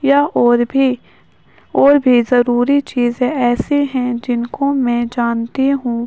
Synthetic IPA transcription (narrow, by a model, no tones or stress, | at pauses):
jaːɾbi | ɔːɾbʱizɐɾuːɾit͡ʃiːzẽɛːseɦɛ̃d͡ʒɪnkomɛ̃d͡ʒaːnt̪iɦũː